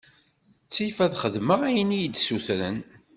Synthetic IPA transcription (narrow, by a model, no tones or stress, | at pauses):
t͡sːifæðχəðməʁæjənijid̪suθɾə̰n